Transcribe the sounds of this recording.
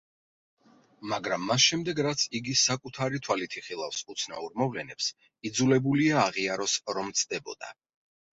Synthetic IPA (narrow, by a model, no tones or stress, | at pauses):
maɡɾamːasʃɛmd̪ɛɡɾat̪sʰiɡisakʼut̪ʰaɾit̪ʰwalit̪ʰiχilˠafsut̪sʰna̰uɾmɔvlɛnɛps | id̪zulɛbuliaːʁiaɾɔsɾɔmt̪sʰd̪ɛbɔ̰d̪a̰